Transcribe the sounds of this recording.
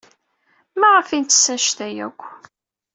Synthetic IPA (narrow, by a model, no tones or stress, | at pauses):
mæʁəfint̪ːsæʃt̪æjæ̰kʷː